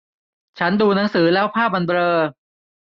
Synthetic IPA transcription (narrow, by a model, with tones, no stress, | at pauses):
t͡ɕʰa˦˥nduː˧na˩˦˥ŋsɯː˩˦lɛː˦˥wpʰaː˥˩p̚ʔa˧nbɾɤː˧